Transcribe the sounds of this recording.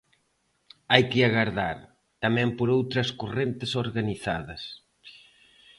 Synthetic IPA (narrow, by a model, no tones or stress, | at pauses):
ajkɪaɣaɾðaɾ | t̪amɛ̃mpoɾowt̪ɾɐskurent̪ɪsoɾɣaniθa̰ðɐ̰s